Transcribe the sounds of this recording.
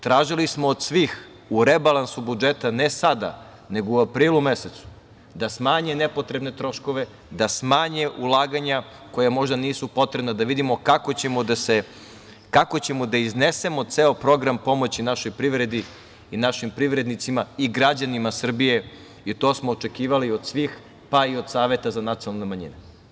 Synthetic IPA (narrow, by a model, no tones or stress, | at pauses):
t̪ɾaːʒilismoːd̪sʋiːx | uɾebalˠansubud͡ʒet̪anesad̪a̰ | ne̞ɡouapɾiːlume̞se̞t̪su̥ | d̪asmaːɲene̞po̞t̪ɾe̞bne̞t̪ɾo̞ʃko̞ʋe̞ | d̪asmaːɲeʔulˠaːɡaɲa | ko̞jamo̞ʒd̪aniːsupo̞t̪ɾebnad̪aʋid̪imo̞kakot͡ɕemod̪ase | kako̞t͡ɕe̞mod̪aiznese̞mo̞t̪seːopɾo̞ɡɾampo̞mo̞t͡ɕinaʃo̞jpɾiʋɾe̞d̪i | inaʃimpɾiʋɾe̞d̪nit̪simaiɡɾad͡ʑanimasr̩bije̞ | it̪osmo̞ːt͡ʃe̞kiːʋaliod̪sʋiːx | paio̞d̪saːʋe̞t̪azanat̪sionalnemaɲḭne